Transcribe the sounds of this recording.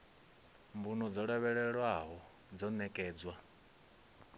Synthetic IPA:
mbunɔd͡zɔɺɛβɛɺɛɺwaɦɔ | d͡zɔnɛkʼɛːd͡zwa

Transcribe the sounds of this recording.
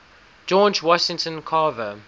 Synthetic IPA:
d͡ʒɔd͡ʒwɔʃɪ̃ŋtə̃nkʰɑːvə

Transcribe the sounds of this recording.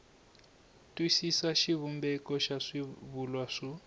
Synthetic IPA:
tʼwisisaʃiβumbɛkɔʃaʂiβulwaʂɔ

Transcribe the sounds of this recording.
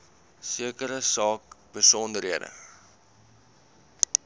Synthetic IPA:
siəkəɾəsɑːk̚b̥əsɔndəɾɦiədə̰

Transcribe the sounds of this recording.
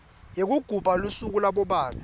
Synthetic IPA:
jek̬uɡ̥ʱub̥ʱalusuk̬ulaɓɔɓaːrɛ

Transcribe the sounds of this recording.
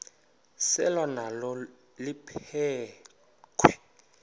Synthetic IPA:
sɛ̰lanalɔ | lipʰɛː | kʰwɛ

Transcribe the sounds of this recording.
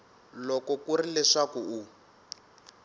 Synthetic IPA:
lɔkɔkurilɛʂakuu

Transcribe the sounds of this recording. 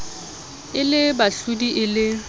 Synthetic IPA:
ɪlɪbaɬudiʔɪlɪ

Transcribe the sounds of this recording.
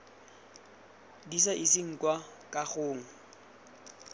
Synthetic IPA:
disaʔisɪŋ̩kwakʼaχʊːŋ̩

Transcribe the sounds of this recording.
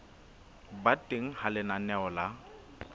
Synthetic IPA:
batʼeŋ̩halɪnanɛɔla

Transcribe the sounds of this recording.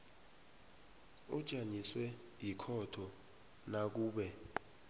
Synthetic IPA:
ud̥ʒ̥ʱaɲiswɛ | jikʰɔtʰɔ | nak̬uːɓɛ

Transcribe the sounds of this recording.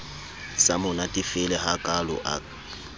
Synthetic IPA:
samʊnatʼifɪlɛhakʼalʊ̰ʔa̰

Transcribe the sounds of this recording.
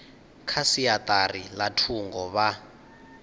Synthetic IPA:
kʰasiat̪ʼarilatʰuŋɡɔβa

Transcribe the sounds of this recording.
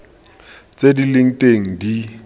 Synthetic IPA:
t͡sʼedilɪŋ̩teŋ̩di

